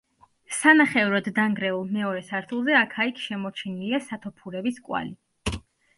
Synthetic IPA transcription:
sanaχɛvɾɔd̪ːaŋɡɾɛulˠmɛɔɾɛsaɾt̪ʰulˠzɛakʰaikʰʃɛmɔt͡ʃʰiniliasat̪ʰɔpʰuɾɛbiskʼwa̰li

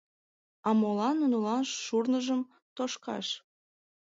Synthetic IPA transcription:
ɑmolɑnunulɑnʃːurnəʒəm | t̪oʃkɑ̰ʃ

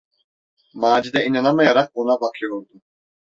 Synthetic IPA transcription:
maːd͡ʒid̪ɛinanamajaɾaq̚bonabakʰɯjo̞ɾd̪u

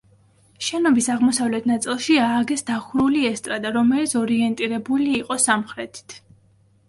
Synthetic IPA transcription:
ʃɛnɔbisaʁmɔsavlɛt̪ʰnat̪sʼilˠʃiaːɡɛsd̪aχuɾuliɛst̪ʼɾad̪aɾɔmɛlit̪sʰɔɾiɛnt̪ʼiɾɛbuliːqʼɔsamχɾɛt̪ʰi̥t̪ʰ

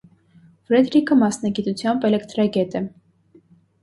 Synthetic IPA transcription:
fɾɛd̪ɾikʰəmɑsnɑɡit̪ut͡sʰjɑmbɛlɛkt̪ɾɑɡɛt̪ə

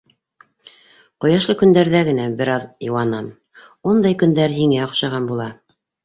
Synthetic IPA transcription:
qŏjɑʃlˠɤkɵ̆nd̪æɾðæɡɘ̆næbɘ̆ɾɑðjɤ̆wɑnɑm | und̪ɑjkɵ̆nd̪æɾɦiŋæŏqʃɑʁɑnbulˠɑ

